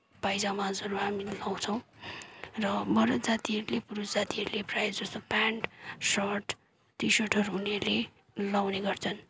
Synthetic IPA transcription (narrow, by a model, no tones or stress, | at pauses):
pajd͡zamãd͡zʌɾuɦamilaw̃t͡sʰʌw̃ | rʌbʌɾʌt̪d͡zat̪iɦʌɾulepuɾusd͡zat̪iɦʌɾuleprajd͡zʌst̪opaɳʈsʌʈ | t̪isʌʈʰʌɾuɦunerle | lawneɡʌrt͡sʰʌn